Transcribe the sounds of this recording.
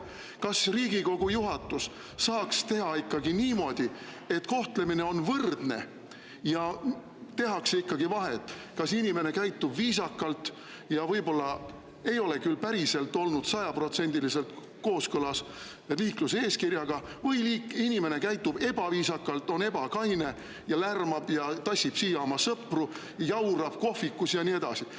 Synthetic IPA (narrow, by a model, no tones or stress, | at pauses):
kɑsriːɡ̥iko̞ɡ̥ujuɦɑt̪ːˑusː | ɑːkst̪e̞ɦɑikːɑɡiniːmo̞ːd̪̥i | e̞t̪ko̞ht̪le̞mine̞o̞nvɤrd̪̥ne̞̰ | jɑ | t̪e̞ɦɑkseikːɑɡ̥ivɑɦet̪ːˑ | kɑsinime̞ne̞kæjt̪ːˑubviːsɑkˑːɑlt̪ˑ | jɑvɤjbo̞lːɑ | e̞jo̞le̞kylpæɾise̞lt̪ːˑo̞lnud̪̥sɑjɑpro̞t̪se̞nʲd̪̥ilise̞lt̪ | ko̞ːskɤlɑs | eliːklusee̞ːskirjɑɡ̥ɑ | vɤjliːkinʲime̞ne̞kæjt̪ːˑub̥e̞b̥ɑviːsɑkːˑɑlt̪ːˑo̞ne̞b̥ɑkɑjne̞ | jɑlærmɑb̥jɑt̪ɑsʲːib̥siːjːɑomɑsɤpru | jɑwɾɑb̥ko̞fikːˑusjɑnie̞d̪̥ɑsi